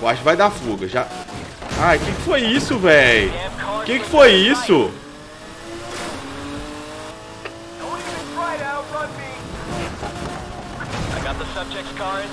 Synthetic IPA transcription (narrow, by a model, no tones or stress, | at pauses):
oaʃvajd̪afuɡɐʒa | ajʊkekɪ̥fojisʊvɛjʰkekɪ̥fojisʊ | owkɹaɪɾafʌmi | aɪɡɑt̪̚ðəsʌb̚d͡ʒɛk̚tkʰɑɹd